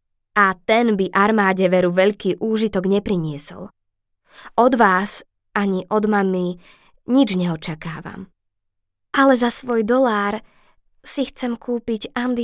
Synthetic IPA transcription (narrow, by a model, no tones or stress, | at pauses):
at̪ɛnbiʔaɾmaːɟɛʋɛɾuʋɛʎkiːʔuːʒit̪ɔɡɲɛpɾiɲɪɛsɔ̰l | ɔd̪ʋaːs | ʔaɲiʔɔd̪mami | ɲid͡ʒɲɛɔt͡ʃakaːʋa̰m | alɛzasʋɔjd̪ɔlaːɾ | sixt͡sɛmkʰuːpiɟand̪i